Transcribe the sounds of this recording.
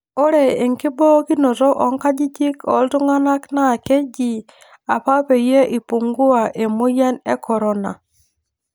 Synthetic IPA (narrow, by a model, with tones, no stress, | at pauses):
o˦ɾe˨e˨ŋki˦bɔ˦ki˦no˨tɔ˦ʔɔ˨˦ŋka˦d͡ʒi˦d͡ʒi˦kɔ̰˨˦ltu˦ŋa˦na˦kna˦˨ke˦d͡ʒi˨ | a˨pa˦pe˨je˦ʔi˨pu˨ŋɡu˦a˨ʔe˨mo˦ja˦nḛ˦kɔ˨ɾɔ˦na̰˨